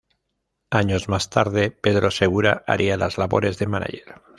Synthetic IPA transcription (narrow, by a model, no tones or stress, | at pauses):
aɲozmast̪aɾðepeðɾoseɣ̞uɾaa̰ɾʔialazlaβo̰ɾe̞zðemana̰ʝeɾ